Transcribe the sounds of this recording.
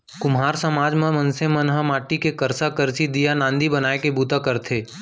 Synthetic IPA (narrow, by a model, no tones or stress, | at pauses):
kʊmɦaːɾsɐmaːd͡ʒmẽmɐ̃nsemɐnɦamaːʈikekɐɾsakɐɾsid̪ijanãːnd̪ʱibɐnaːekebuːt̪akɐɾt̪ʰeː